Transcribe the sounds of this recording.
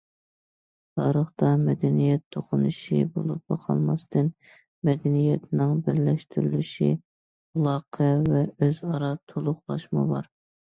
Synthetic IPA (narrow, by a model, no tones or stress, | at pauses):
t̪ʰɑɾəχt̪ɑmɛd̪ɛnijɛt̪ʰːoqʰʊnuʃibolˠup̚bɑqʰɑ̰lˠmɑst̪ʰɨn | mɛd̪ɛnijɛt̪ʰnɪŋbɪɾlɛʃt̪ʰyɾylyʃḭ | ɑlˠɑqʰɛvɛøzɑɾɑt̪ʰolˠʊχlˠɑʃmɨ̰bɑɾ